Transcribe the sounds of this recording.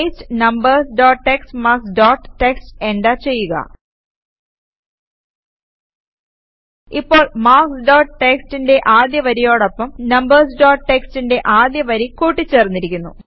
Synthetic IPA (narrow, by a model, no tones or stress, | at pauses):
stɨ̥nɐmbɐrsɖoːʈʈekstmaːksɖoːʈːʈeksteɳɖat͡ɕe̞jːuɣɐ̰ | ipːo̞ːɭmaːksɖoːʈʈekstinde̞ʔaːd̪jɐʋɐɾijo̞ːɽopːɐmnɐmbɐrsɖoːʈʈekstinde̞ʔaːd̪jɐʋɐɾikuːʈːit͡ɕːe̞ːrnːiɾikʲːunːṵ